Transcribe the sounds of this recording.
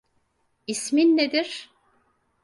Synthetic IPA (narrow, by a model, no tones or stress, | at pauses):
isminːed̪iɾ̥